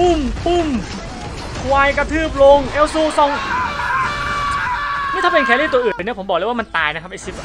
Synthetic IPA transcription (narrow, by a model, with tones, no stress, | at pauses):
u˧˥˩mʔu˧˥˩m | kʰwaː˧jka˧t̪ʰɯː˥˩p̬̚lo˧ŋʔe˦˧˥wsuː˧˩sɔ˧˩ŋ | mi˥˨t̪ʰpe˧nkʰɛː˧˦liː˥˩t̪u˧ɐʔɯː˨˩nːi˥˩pʰo˩˦mbɔː˨˩k̚eː˧˥wa˥˧ma˧nt̪aː˧jna˦˥kʰa˦˥pʔa˧jsi˦˥p̚